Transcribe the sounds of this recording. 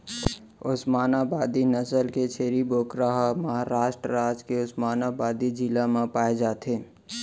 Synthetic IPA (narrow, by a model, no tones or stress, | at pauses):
ʊsmaːnabaːd̪inəsəlket͡ʃʰeːɾiboːkɾaɦməɦaɾaːʃʈɾəɾaːd͡ʒkeʊsmaːnabaːd̪id͡ʒilamãpaːed͡ʒaːt̪eː